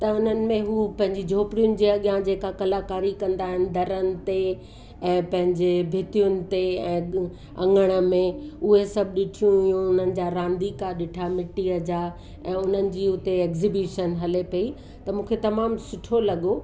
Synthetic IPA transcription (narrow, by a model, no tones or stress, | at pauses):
t̪ɐʊn̤ənɪ̆mẽɦuːpɐ̃ɦɪ̃ɲd͡ʑid͡ʑʱoːpɽijʊnɪ̆d͡ʑiːɐɠjãd͡ʑeːkakɐlaːkaːɾikɐ̃nd̪aːɦɪnɪ̆d̪ʱɐɾənɪ̆t̪e | ɛ̃ːpɐ̃ɦɪ̃ɲd͡ʑebʱɪt̪ijʊnɪ̆t̪eɛ̃ː | ɐ̰̃ŋɡəɽ̃ə̆mẽʊɦesɐb̚ʱɗɪʈʰijũjũʊn̤ənɪ̆d͡ʑaːɾãːnd̪ikaɗɪʈʰamɪʈiəd͡ʑaː | ɛ̃ːʊn̤ənɪ̆d͡ʑiːʊt̪eɛːkzibjuːʃənɦɐlepɐi | t̪ɐmũːkʰet̪ɐmaːmsʊʈʰolɐɠo